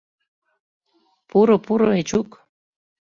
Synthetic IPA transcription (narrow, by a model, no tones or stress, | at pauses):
puɾopuɾoet͡ʃuk